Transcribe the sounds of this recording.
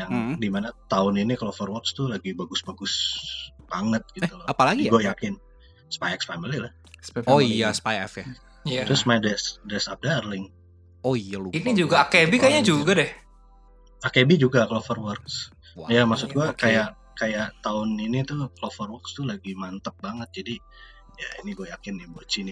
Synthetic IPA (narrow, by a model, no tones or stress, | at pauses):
jaŋdimanat̪aʊniniklofɔrwɔkst̪ʊlaɡibaɡʊsbaɡʊs | b̥aŋət̪̚ɡ̥it̪ulɔapalaɡiɡuajakɪn | spajɛkspaməlilah | soaspajɛfja | taɾʊsmadɛsdɛsap̚darlɪŋ | oainid͡ʒuɡaakebikaaɲad͡ʒuɡadɛh | akebid͡ʒuɡaklofərwərks | jamaksʊt̪ɡuakkajaʔ | kajaʔt̪aʊninit̪uklofərwərkst̪ulaɡimant̪əp̚baŋət̪̚d͡ʒadi | ja̰ḭniɡuajakɪnibot͡ʃini